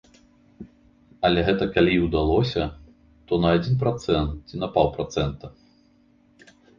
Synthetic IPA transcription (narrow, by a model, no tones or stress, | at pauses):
ɐlʲɛɣɛt̪ɐkalʲiwd̪alˠɔsʲɐ | t̪ɔnɐad͡zʲinpɾat̪sɛnt̪t͡sʲinɐpawˠpɾat̪sɛnt̪ɐ